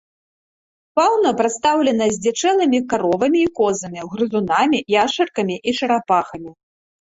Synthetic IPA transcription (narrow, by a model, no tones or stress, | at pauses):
pawnɐpɾɐt̪st̪awlʲɛnɐzʲd͡zʲɛt͡ʂɛlˠɨmʲikaɾɔvɐmʲiːkɔzɐmʲiɣɾɨzunamʲijaʂɐrkɐmʲiʔiʂɐɾapaxɐmʲi